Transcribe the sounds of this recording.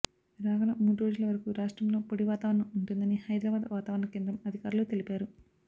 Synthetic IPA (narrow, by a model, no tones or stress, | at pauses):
ɾaːʋɐlɐmuːɽuɾo̞ːd͡ʒulɐʋɐɾɐkuɾaːʂʈɾɐmlo̞ːpoɽiʋaːt̪aːʋɐɾɐɳɐmuɳʈund̪ɐnihɐjd̪ɾaːbaːd̪ʋaːt̪aːʋɐɾɐɳɐkeːnd̪ɾɐmɐd̪ʱikaːɾuloːt̪e̞lipaːɾu